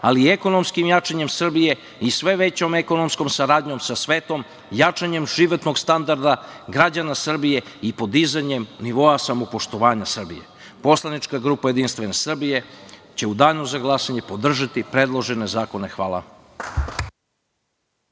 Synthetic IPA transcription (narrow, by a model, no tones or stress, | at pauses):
alieko̞no̞mskimjat͡ʂaɲe̞msr̩bije̞ | isʋe̞ʋe̞t͡ɕo̞meko̞nomsko̞msaɾaːd̪ɲo̞msasʋeːt̪o̞m | jat͡ʂaɲe̞mʒiʋo̞t̪no̞ɡst̪and̪aɾd̪aɡɾad͡ʑanasr̩bije̞ipo̞d̪izaɲe̞mniʋo̞asamo̞po̞ʃt̪o̞ʋaːɲasr̩bije̞̰ | po̞slˠanit͡ʃkaɡɾuːpaje̞d̪inst̪ʋe̞ne̞sr̩bije̞t͡ɕe̞ud̪aːʎnozaɡlˠasaɲe̞po̞d̪r̩ʒat̪ipɾe̞d̪lˠo̞ʒene̞zaːko̞ne̞xʋaːlˠa̰